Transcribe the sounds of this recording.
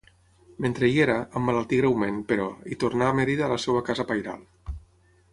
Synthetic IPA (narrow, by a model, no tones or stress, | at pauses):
ment̪ɾeieɾaʔːmːalalˠt̪iɣɾewmenpeɾɔit̪ornameɾiðaːlasɛwakazapajɾa̰lˠ